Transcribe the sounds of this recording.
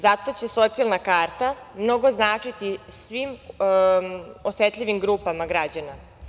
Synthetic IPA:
zat̪o̞t͡ɕe̞so̞t̪sialˠnakaːɾt̪amno̞ɡo̞znaːt͡ʂit̪isʋim | o̞set̪ʎʲiʋimɡɾuːpamaɡɾad͡ʑana

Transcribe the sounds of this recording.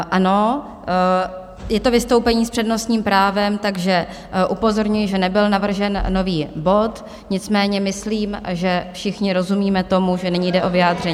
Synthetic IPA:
ʔano̞ | jɛt̪o̞vɪst̪o̞wpɛɲiːspr̥ɛdno̞st̪ɲiːmpɾaːvɛmt̪aɡʒɛ | ʔupo̞zo̞ɾɲujɪʒɛnɛbɪlnavr̩ʒɛnːo̞viːbo̞t̪ | ɲɪt͡smɛːɲɛmɪsliːmʒɛfʃɪxɲɪɾo̞zumiːmɛt̪o̞muʒɛnɛɲiːjdɛʔo̞vɪaːd̪r̝ɛɲː

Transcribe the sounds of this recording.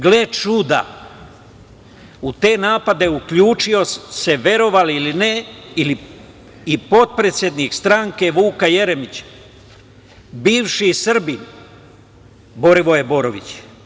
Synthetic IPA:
ɡle̞t͡ʃud̪a̰ | ut̪e̞ːnaːpad̪e̞ukʎuːt͡ʃio̞se̞ʋe̞ɾo̞ʋaliilineili | ipo̞t̪̚pɾe̞t̪sʲje̞d̪nikst̪ɾaŋke̞ʋuːkaje̞ɾemit͡ɕ | biːʋʃisr̩bin | bo̞ɾiʋo̞jebo̞ɾoʋḭt͡ɕ

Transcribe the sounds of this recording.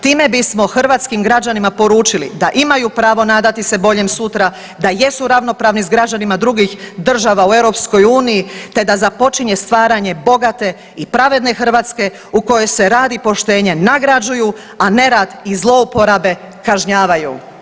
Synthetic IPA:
t̪iːme̞bismo̞xr̩ʋaːt̪skimɡɾad͡ʑanimapo̞ɾuːt͡ʃilḭd̪aʔimajupɾaːʋo̞naːd̪at̪ise̞bo̞ʎemsut̪ɾa | d̪aje̞suɾaʋno̞pɾaːʋnizɡɾad͡ʑanimad̪ɾuɡixd̪r̩ʒaʋaue̞vɾo̞psko̞juːnijit̪e̞d̪azapo̞t͡ʃiɲe̞st̪ʋaːɾaɲe̞bo̞ɡat̪e̞ | ipɾaʋe̞d̪ne̞xr̩ʋaːt̪ske̞ | uko̞jo̞jse̞ɾaːd̪ipo̞ʃt̪e̞ːɲe̞naɡɾad͡ʒuju | ane̞ɾaːd̪izlˠo̞upo̞ɾabe̞ | kaʒɲaːʋajṵ

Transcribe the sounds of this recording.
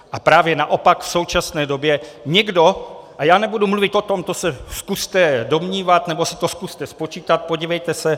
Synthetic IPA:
ʔapɾaːvjɛna̰ʔo̞pakfso̞wt͡ʃasnɛːdo̞bjɛɲɛɡdo̞ʔajaːnɛbudumluvɪt̪ʔo̞t̪o̞mt̪osɛskust̪ɛdo̞mɲiːvat̪nɛbo̞sɛ̥t̪o̞skust̪ɛspo̞t͡ʃiːt̪at̪̚poɟiːvɛjt̪ɛsɛ

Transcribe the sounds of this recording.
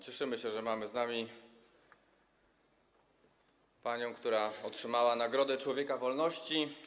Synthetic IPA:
t͡ɕɛʂɘmɘɕɛʐɛmamɘznamʲi | paɲɔ̃w̃kt̪uɾaɔtʂɘmawanaɡɾɔd̪ɛt͡ʂwɔvʲjɛkavɔlnɔɕt͡ɕi

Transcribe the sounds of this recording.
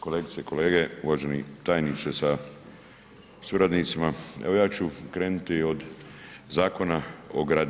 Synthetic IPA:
ko̞leːɡit̪ieko̞le̞ːɡeuʋaʒenit̪aːjnit̪sesa | suɾad̪nit̪simaḛʋo̞jaːt͡ɕukɾeːnut̪io̞d̪zaːko̞naoɡɾad̪

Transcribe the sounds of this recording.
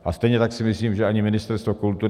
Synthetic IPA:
ʔast̪ɛjɲɛt̪aksɪmɪsliːmʒɛaɲɪmɪnɪst̪ɛɾst̪vokult̪uɾ

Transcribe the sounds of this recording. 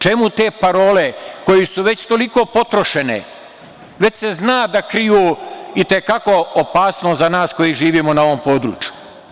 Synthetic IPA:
t͡ʃe̞mut̪e̞ːpaɾo̞ːle̞ko̞jisuʋe̞t͡ɕt̪o̞liko̞ːpo̞t̪ɾoʃe̞nḛ | ʋe̞t͡ɕse̞znaːd̪akɾijuit̪e̞kako̞opaːsnozanaːsko̞jiʒiːʋiːmonao̞ʋo̞mpo̞ːd̪ɾṵːt͡ʃju

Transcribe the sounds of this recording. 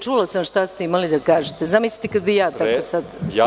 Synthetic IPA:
t͡ʃuːlˠasamʃt̪ast̪eimalid̪akaːʒet̪ezamisli̥t̪ekad̪bijaːt̪akosad̪

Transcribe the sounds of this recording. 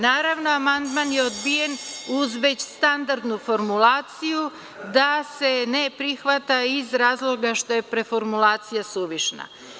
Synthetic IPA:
naːɾaʋno̞amand̪manjeod̪bije̞nuzʋe̞t͡ɕst̪and̪aɾd̪nufo̞ɾmulaːt̪siju | d̪ase̞ne̞pɾixʋat̪aizɾaːzlˠo̞ɡaʃt̪o̞je̞pɾe̞fo̞ɾmulaːt̪sijasuʋiʃna̰

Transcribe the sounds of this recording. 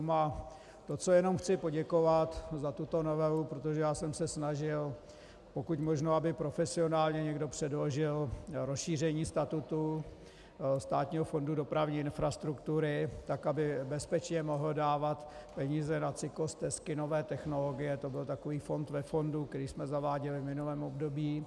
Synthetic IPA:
ma | t̪o̞t͡so̞jɛno̞mxt͡sɪpo̞ɟɛko̞vat̪zat̪ut̪o̞novɛvupɾot̪o̞ʒɛjaːsɛmsɛsnaʒɪl | po̞kucmo̞ʒnoabɪpɾofɛsɪo̞naːlɲɛɲɛɡdo̞pr̝̥ɛdlo̞ʒɪlɾosʃiːr̝ɛɲiːst̪at̪ut̪u | st̪aːt̪ɲiːɦofo̞ndudopɾavɲiːɪnfɾast̪ɾukt̪uɾɪt̪akabɪbɛspɛt͡ʃɲɛmo̞ɦl̩daːvat̪pɛɲiːzɛnat͡sɪkost̪ɛskɪno̞vɛːt̪ɛxno̞lo̞ɡɪjɛt̪o̞bɪlt̪akoviːfo̞nt̪vɛfo̞ndukt̪ɛɾiːsmɛzavaːɟɛlɪvmɪnulɛːmʔobdo̞biː

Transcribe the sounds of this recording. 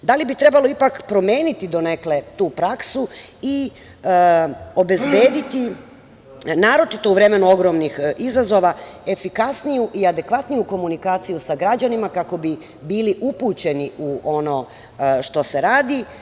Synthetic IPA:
d̪alibit̪ɾe̞balˠo̞ipakpɾo̞me̞ːnit̪id̪o̞neklet̪uːpɾaksu | i | o̞be̞zbeːd̪it̪i | naːɾo̞t͡ʃit̪o̞uʋɾe̞me̞nuo̞ɡɾo̞mnixizazo̞ʋae̞fikasnijuʔiad̪e̞kʋat̪nijuko̞munikaːt̪sijusaɡɾad͡ʑanimakako̞bi | biːliʔupuːt͡ɕe̞niuʔo̞no̞ | ʃt̪o̞seɾaːd̪i

